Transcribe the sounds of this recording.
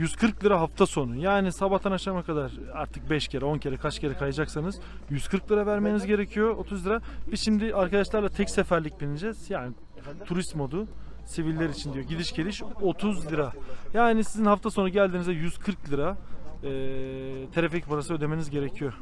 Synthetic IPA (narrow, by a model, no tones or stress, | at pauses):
jyz̥kʰɯɾklʲˠɯɾaɦaft̪ʰaso̞nujaːnisabaht̪ʰanaʃamakad̪aɾ̥ | aɾt̪ʰɯk̚bɛʃcʰeɾɛo̞ncʰe̞ɾɛkʰat͡ʃcʰe̞ɾɛkʰajad͡ʒaksanɯz̥ | jyzkʰɯɾklˠɯɾavæɾmenizɟe̞ɾecʰijo̞ot̪ʰuzlʲˠiɯɾabizʃimd̪ɪʔaɾkad̪aʃlˠaɾlˠat̪ʰɛcsefæɾlʲic̚binʲid͡ʒɛz̥jaːni | t̪ʰuɾist̪mo̞d̪u | sivilʲːeɾit͡ʃʰind̪ijo̞ɟid̪iʃcʰelʲiʃo̞t̪ʰuzlʲˠɯɾajaːnisizinɦaft̪ʰaso̞nuɟælʲd̪iːnizɛjyz̥kʰɯɾklʲˠɯɾaɛːt̪ʰeɾeficbuɾasɯø̞d̪e̞menizɟe̞ɾecʰijo